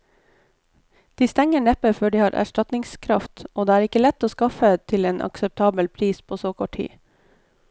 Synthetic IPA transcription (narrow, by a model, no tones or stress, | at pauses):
d̪̥iːst̪ɛŋəɳɛpəføːɖiːhɑːɾʔæ̰ʃʈɑt̪nɪŋskʰɾɑft̪ʔoːd̪eːæːɾɪkəlɛt̪ːoːskɑfət̪ʰɪleːnʔɑ̰ksɛp̚t̪ʰɑːbəlpʰɾiːspʰoːsoːkʰɔʈʰḭː